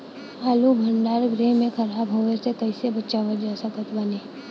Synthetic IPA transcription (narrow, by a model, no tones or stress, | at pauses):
aːlubʱəɳɖaːɾɡɾemẽkʰɐɾaːbɦoʋesekɐɪsebətːʃaːʋəd͡ʒaːsəkət̪bəneː